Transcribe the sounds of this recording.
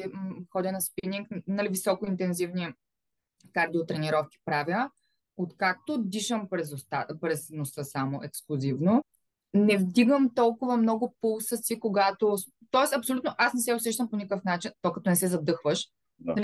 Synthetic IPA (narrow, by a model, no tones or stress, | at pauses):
xɔd̪ʲənɐspiniŋknɐlivisɔkoint̪ɛnzivni | kaɾd̪ʲiot̪ɾɛniɾɔfkʲi̥pɾavʲjə | ot̪kak̚t̪od̪iʃəmpɾɛzost̪apɾɛsnosɤsamoʔɛksklˠʊzivno | nɛvd̪iɡəmt̪ɔlˠkʊvɐmnɔɡʊpulˠsəsikoɡat̪o | t̪ɔɛsɐpsolʲut̪noʔasnɛsɛosɛʃ̬t̪əmponʲikəfnat͡ʃint̪ɔjkɐt̪ɔnɛsɛzɐd̪ɤxvəʃ | l